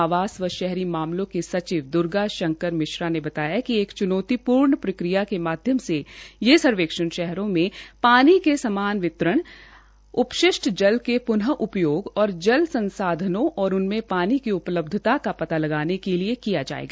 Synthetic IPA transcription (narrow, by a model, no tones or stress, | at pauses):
aʋaːsʋəʃɛɦɾimaːmlõkesɐt͡ʃiːʋd̪ʊɾɡaʃɐ̃ŋkəɾmɪʃɾanebɐt̪aːjakieːkt͡ʃʊnɔːt̪ipuːɾɳpɾɪkɾijakemaːd̪ʱjəmsejesɐɾʋeːkʃənʃɛɦɾõmẽpaːnikesɐmaːnʋɪt̪ɾəɽ̃ | ʊpʃɪʃʈʰd͡ʒɐlkepʊnɦəʔʊpjoːɡɔːɾd͡ʒɐlsɐ̃nsaːd̪ʱənõʔɔːɾʊnmẽpaːnikiʊpləb̚d̪ʱɪt̪akapɐt̪alɐɡaːnekeliekijad͡ʒa̰ːḛːɡaː